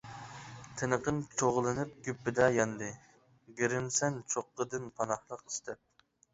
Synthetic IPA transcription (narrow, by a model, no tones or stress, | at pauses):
t̪ʰenəqəmt͡ʃʰoʁlˠɨnɨp̚ɡʲypːɪd̪ɛjɑnd̪ɨ | ɡʲiɾɪmsɛnt͡ʃʰoqːəd̪ɨnpʰɑnɑχlˠəqi̥st̪ʰɛp̚